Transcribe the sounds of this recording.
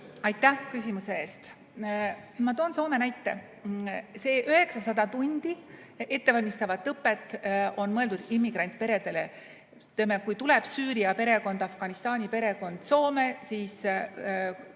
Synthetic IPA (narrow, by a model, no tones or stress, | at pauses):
ɑjt̪ːæhkysʲimuse̞e̞ːst̪ | mɑt̪o̞ːnso̞ːmenæjt̪ːˑe̞ | se̞ːʔøɦe̞ksɑsɑd̪ɑt̪unʲd̪̥i | e̞t̪ːe̞vɑlʲmist̪ɑvɑt̪ːɤpːˑe̞t̪ːˑʔo̞nmɤeld̪ud̪imːiɡɾɑnʲt̪̚ˑpe̞ɾe̞d̪̥e̞le̞̰ | t̪emːekujt̪ule̞b̥syːɾiɑpe̞ɾe̞ko̞nd̪̥ɑfɡ̥ɑnist̪ɑːnʲipe̞ɾe̞ko̞nd̪̥so̞ːmesiːs